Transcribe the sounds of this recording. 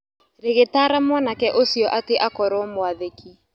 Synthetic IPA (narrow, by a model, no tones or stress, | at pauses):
ɾeɣetaːɾamɔnakɛʔosiɔʔateʔakɔɾɔmoaðekʰi